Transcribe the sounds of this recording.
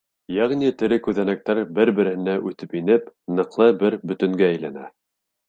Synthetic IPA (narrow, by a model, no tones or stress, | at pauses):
jæʁnit̪ɘ̆ɾɘkʉðænæk̚t̪æɾbɘɾbɘ̆ɾɘ̆hɘ̆næʔʉθt̪ɘpinɘpnɤ̆qlˠɤbɘɾbɵ̆t̪ɘ̆ŋɡæːjlænæ̰